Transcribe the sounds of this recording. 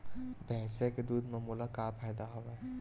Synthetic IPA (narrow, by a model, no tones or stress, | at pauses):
bɛ̃ːseked̪uːd̪ʱmɐmuːlakaːpʰaːjd̪aɦoʋe